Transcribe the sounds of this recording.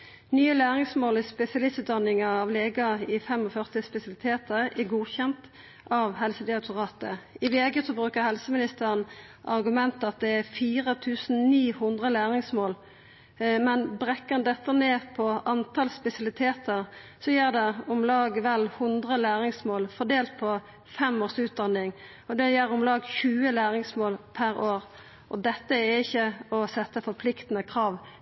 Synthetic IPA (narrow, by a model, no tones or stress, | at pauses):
nyːəlæːʁɪŋsmoːlɪspɛsɪɑlɪst̪ʉːt̪d̪ɑnɪŋɑɑʋleːɡɑɪfɛmɔfœʁt̪ɪspɛsɑlɪt̪ʰeːt̪əʁæɡuːçɛnt̪ | ɑʋhɛlsəd̪ɪɑt̪ʰʊʁɑːt̪əɪʋeːɡəsɔbɾʁʉːkəʁhɛlsəmɪnɪst̪əʁən | ʔɑʁɡʉmɛnt̪ɑt̪̚d̪ɛæfiːʁət̪ʰʉːsn̩niːhʊnd̪ʁəlæːʁɪŋsmoːl | mɛnbɾɛkːənd̪ɛt̪ːəneːpʰɔɑnt̪ʰɑlspɛsɑlɪt̪ʰeːt̪ʰəʁsɔjæːʁd̪ɛɔmlɑːɡʋɛlhʊnd̪ʁəlæːɾɪŋsmoːlfɔd̪eːlt̪̚pʰɔ | fɛmoːʁsʉːt̪̚d̪ɑnːɪŋ | ɔd̪ɛjæɾɔmlɑːɡçʉːəlæːɾɪŋsmoːlpʰæɾoːɾ | ʔɔd̪ɛt̪ːəæɪçːəɔsɛt̪ːəfɔɾpʰlɪkt̪ənəkʰʁɑːʋ